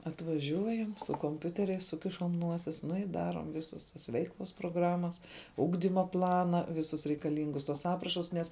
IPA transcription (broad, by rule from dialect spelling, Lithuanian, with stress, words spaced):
ɐtʋɐˈʒʲuɔjɛm sʊ koːmʲˈpʲʊtʲɛrʲɛɪs ˈsʊkʲɪʃɐm ˈnuɔsʲɪs nʊ ɪ ˈdɑːruɔm ˈʋʲɪsʊs tɐs ˈʋʲɛɪklˠʊs proːˈɡrɑːmɐs ˈʊɡdʲiːmɐ ˈplˠɑːnɐ ˈʋʲɪsʊs rʲɛɪkɐˈlʲiːŋɡʊs tuɔs ˈɑːprɐʃʊs nʲɛs